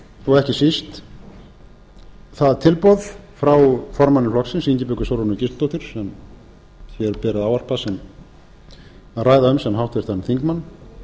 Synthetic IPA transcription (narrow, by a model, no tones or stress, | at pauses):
ɔɣɛhcɪsist̪ | θaðt̪ʰɪlpɔðfɾawfɔɾmanːɪflɔksɪnsiɲcɪpʏkʏsowɾɔnʏcɪst̪t̪owht̪ʏɾ̥sɛm | θjɛɾpɛːɾɪðawvar̥pasɛm | araːjðaʏmsɛmnɦawht̪vɛɾ̥t̪ʰanːθiŋkmanː